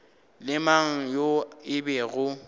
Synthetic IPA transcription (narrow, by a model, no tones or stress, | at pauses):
lɪmaŋ̩joɪbɛɣʊ